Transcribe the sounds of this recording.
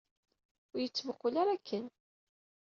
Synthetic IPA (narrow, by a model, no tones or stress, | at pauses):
ʊɾjət͡sːəvəqːʊlaɾakʰːən